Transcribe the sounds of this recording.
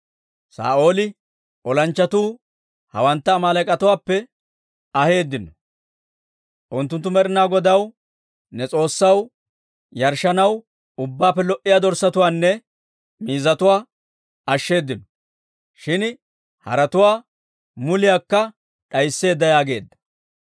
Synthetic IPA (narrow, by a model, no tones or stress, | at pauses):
sa̰ːo̞ːlɪ | ʔɔlɐnt͡ʃːɐt̪uː | hɐ̰wɐnt̪ːɐːmaːlɐkʼɐt̪ʊwaːpːɛ | ɐhe̞ːd̪ːɪnɔ | ʔʊnt̪ːʊnt̪ːʊmɛɾɪnaːɡɔd̪ɐw | nɛt͡sʼo̞ːsːɐw | jɐɾʃɐnɐw | ʊbːaːpːɛlɔʔɪjaːd̪ɔɾsːɐt̪ʊwaːnːɛ | miːzɐt̪ʊwaː | ɐʃːe̞ːd̪ːɪnɔ̥ | ʃɪn | hɐ̰ɾɐt̪ʊwaː | mʊlɪjaːkːɐ | ᶑɐjsːe̞ːd̪ːɐjaːɡe̞ːd̪ːɐ̥